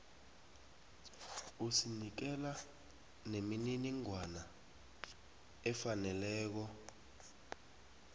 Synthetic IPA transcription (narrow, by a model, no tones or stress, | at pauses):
usinik̬ɛla | nemininiŋwana | ɛfanɛlɛːk̬ɔ